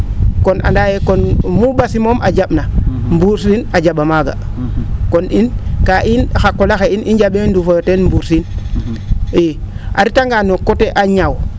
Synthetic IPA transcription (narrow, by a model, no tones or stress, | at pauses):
kona̰ndajekonmubasimomʔa̰d͡ʒaɓnambuɾsinad͡ʒaɓamaɡa̰koninkaʔinxakːolaxeinid͡ʒaɓendufojotenmbuɾsin | e | ʔa̰ɾitaŋɡanokoteʔaɲaw